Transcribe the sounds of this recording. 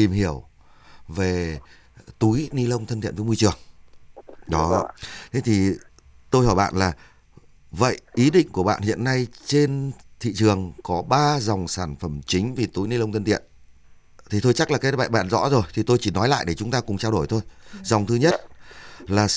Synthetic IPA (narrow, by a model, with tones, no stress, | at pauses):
i˨˩mɦi˧˩əw | ve˨˩ | t̪u˨˦jni˧lə˧wŋ͡mt̪ʰə˧nt̪ḭ˧˨nvəː˨˦jmu˧jt͡ɕɨ˨˩əŋ | ɗɔ˨˦t̪ʰe˨˦t̪ʰi˨˩ | t̪o˧jhɔː˧˩jɓa̰ː˧˨nlaː˨˩ | və̰˧˨jʔi˨˦ɗḭ̈˧˨ŋ̟ku˧˩əɓa̰ː˧˨nhḭ˧˨ənːa˧jt͡ɕe˧nt̪ʰḭ˧˨t͡ɕɨ˨˩əŋkɔ˨˦ɓaː˧za˨˩wŋ͡msaː˧˩nfə˧˩mt͡ɕï˨˦ŋ̟vi˨˩t̪u˨˦jni˧lə˧wŋ͡mt̪ʰə˧nt̪ḭ˧˨ən | t̪ʰi˨˩t̪ʰo˧jt͡ɕa˦˥k̚laː˨˩kːjɓa̰ː˧˨jɓa̰ː˧˨nzɔ̰˧˥zo˨˩jt̪ʰi˨˩t̪o˧jt͡ɕi˧˩nɔ˨˦jla̰ː˧˨jɗe˧˩t͡ɕʊ˨˦ŋ͡mt̪aː˧kʊ˨˩ŋ͡mt͡ɕaː˧wɗo˧˩jt̪ʰo˧jza˨˩wŋ͡mt̪ʰɨ˨˦ɲə˦˥t̚laː˨˩